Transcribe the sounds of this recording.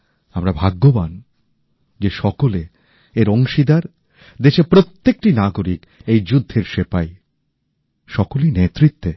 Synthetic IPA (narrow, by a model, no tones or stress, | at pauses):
amɾabʱaɡːoban | d͡ʑeʃɔkole | eɾoŋʃid̪aɾ | d̪eʃepɾot̪ːek̚ʈinaɡoɾik | ejd͡ʑud̪ʱːeɾʃepaj | ʃɔkolinet̪ɾit̪ːe